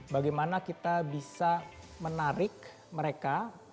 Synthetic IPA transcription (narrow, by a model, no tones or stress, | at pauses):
baɡajmanakit̪abisa | mənaɾɪk̚ | məɾeka